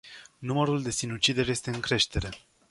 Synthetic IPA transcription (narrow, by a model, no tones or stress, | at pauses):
numəɾuld̪e̞sinut͡ʃid̪eɾje̞st̪e̞ɨŋkɾe̞ʃt̪e̞ɾe̞